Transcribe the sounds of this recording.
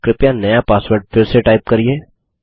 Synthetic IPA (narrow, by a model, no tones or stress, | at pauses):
kɾɪpjanɐjapaːsʋəɾɖ̚fɪɾseʈaːɪp̚kɐɾieː